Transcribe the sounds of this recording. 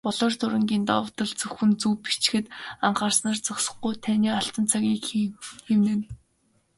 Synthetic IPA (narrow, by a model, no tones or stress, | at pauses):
pɔɮɔːrt̪ʰʊɾə̆ŋɡʲiːnt̪a̰wə̆t̪ə̆ɮt͡sɵxɘ̆nt͡suːpi̥t͡ɕ̆xɘ̆t̪aɴχaːrsnaːrt͡sɔksɞ̆χɡujt̪ʰæniːaɬt̪ə̆nt͡sʰaɣʲiːkxiwnɘ̆n